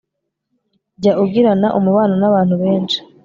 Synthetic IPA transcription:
ɟauɡiɾanaʔumuβaːnonaβaːn̥huβeːnʃi̥

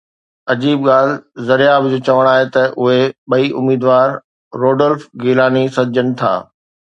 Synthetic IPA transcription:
ɐd͡ʑiːbɡaːl̤zɐɾijaːbd͡ʑoːt͡ɕɐʋəɽ̃aːɦet̪ɐʔʊɦeɓɐiʔʊmiːd̪ʋaːɾː | oːɖəlfɡiːlaːnisɐd͡ʑəñɪ̆t̪ʰa̰ː

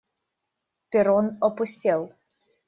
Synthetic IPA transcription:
pʲɪɾɔnɔpʊsʲtʲelˠ

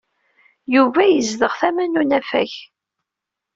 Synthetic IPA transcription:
juvæjəzðəʁθæmænunæfæ̰ç

